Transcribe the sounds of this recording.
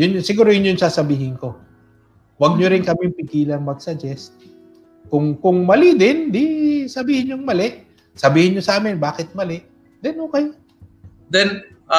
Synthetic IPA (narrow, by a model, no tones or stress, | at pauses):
jʊnsɪɡuːɾojʊnjʊŋsaːsɐbiːɦɪnko̞ | wɐɡ̚ɲoɾɪnkɐmɪmpɪkiːlɐŋmɐɡsɐd͡ʒɛst̪̚ | kʊŋkʊŋmɐlɪd̪ɪnd̪ɪsɐbiːhɪnjʊŋmɐlɛʔ | sɐbiːhɪnɲosɐʔaːmɪnbaːkɪt̪̚mɐlɪʔ | d̪ɛnhoːkɐj | d̪ɛn